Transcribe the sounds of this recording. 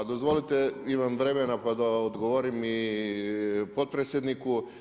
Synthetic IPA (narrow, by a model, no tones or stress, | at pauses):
d̪ozʋolit̪eimamʋɾemenapad̪aod̪ɡoʋoɾimi | pot̪̚pɾet̪sjed̪niku